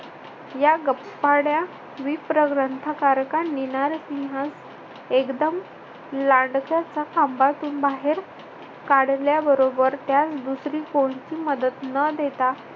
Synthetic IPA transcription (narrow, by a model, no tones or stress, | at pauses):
jaɡəpspaɽja | ʋipɾəɡɾənt̪ʰakaɾkanːinaɾsĩŋɦas | ekd̪əm | laɳɖkjat͡sakambat̪uːnbaɦeɾ | kaɽljabəɾobəɾt̪jat͡sd̪usɾiːkoɳ̃t͡ɕiːməd̪ət̪nəd̪ʱet̪a